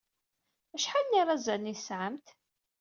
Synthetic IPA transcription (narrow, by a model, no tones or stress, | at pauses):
æʃħalniɾˤɑzænːisʕəmt̪